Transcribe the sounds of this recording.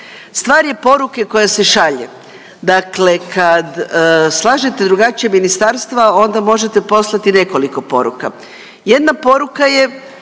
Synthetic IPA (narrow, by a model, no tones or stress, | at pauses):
st̪ʋaːɾje̞po̞ɾuke̞ko̞jase̞ʃaʎe | d̪akle̞kʰad̪slˠaːʒet̪e̞d̪ɾuɡat͡ɕijeminist̪aɾst̪ʋao̞nd̪amo̞ʒe̞t̪epo̞slˠat̪ine̞ko̞liko̞po̞̰ɾṵka | je̞d̪napo̞ɾukaje̞